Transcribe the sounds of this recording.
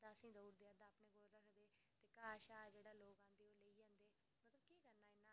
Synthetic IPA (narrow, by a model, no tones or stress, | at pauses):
d̪aːəsĩːd̪oːɾd̪eːə̃d̪aːpneːɡoːlɾəkʰd̪eːt̪eːkaːʃaːd͡ʒeːɽaːloːkãːnd̪eːoːləiːd͡ʒãːnd̪eː | mət̪ləbkiːkəɾnaːɪnãː